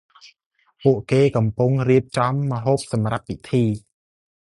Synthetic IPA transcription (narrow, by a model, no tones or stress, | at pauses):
puəʔkeːkɑmpuŋriəp̚t͡ɕɑmːə̆ɦoːp̚sɑmrap̚ːit̪ʰiː